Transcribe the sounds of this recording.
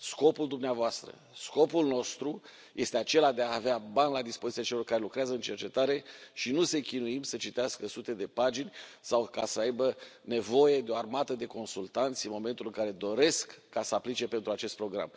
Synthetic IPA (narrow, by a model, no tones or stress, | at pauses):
sko̞puld̪umneavoast̪ɾə̰ | sko̞pulno̞st̪ɾu | jʔe̞st̪eat͡ʃe̞lad̪e̞aːveabanʲlad̪ispozit̪ijat͡ʃe̞lo̞rkaɾe̞lukɾeazəɨnt͡ʃe̞rt͡ʃe̞t̪aɾe̞ʃinuse̞kʲinuimsət͡ʃit̪easkəsut̪e̞d̪e̞pad͡ʒinʲsawkasəajbəne̞vo̞je̞d̪eo̞armat̪əd̪e̞ko̞nsult̪ant̪sʲɨnmo̞me̞nt̪ulɨŋkaɾe̞d̪o̞ɾe̞skːasəaplit͡ʃe̞pe̞nt̪ɾuat͡ʃe̞st̪̚pɾo̞ɡɾa̰m